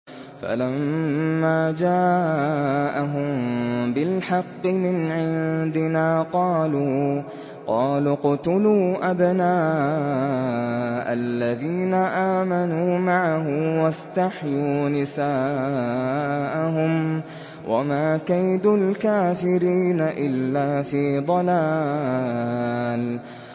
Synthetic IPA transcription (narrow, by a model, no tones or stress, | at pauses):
fa̰lammːaːd͡ʒaː | ʔaɦʊmbɪlħɑqːɨmɪnʕɪnd̪ɪnaːqɑːluː | qɑːlʊqʊt̪ʊluːʔabnaːʔ | ʔalːaðiːnaʔaːmanuːmaʕaɦʊmwast̪aħjuːnɪsaː | ʔaɦʊm | wʔa̰maːkajd̪ʊlkaːfɪɾiːnaʔɪlːaːfiːd̪ˤɑlaː | l